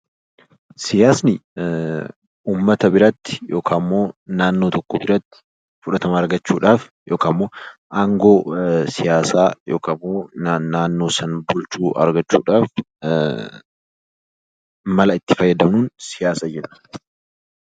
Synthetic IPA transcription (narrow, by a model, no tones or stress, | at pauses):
sɪjaːsnɪ | uːmːɐt̪ɐbɪɾɐt̪ːɪ̥jo̞ːkʰaːmːo̞ːnaːnːoːt̪ɔkːɔbɪɾɐt̪ːɪ̥ | fʊᶑɐt̪ɐmɐɐɾɡɐt͡ʃːuːᶑaːf | jʔo̞ːkaːmːo̞ːʔaːŋɡo̞ːsɪjaːsaːjo̞ːkamːoːnnaːnːo̞ːsɐnbʊlt͡ʃuːʔɐ̰ɾɡɐt͡ʃːṵːᶑaːf | mɐlɐɪt̪ːɪ̥fɐjːɐd̪ɐmnuːnsɪjaːsaːd͡ʒɛᶑɐ̥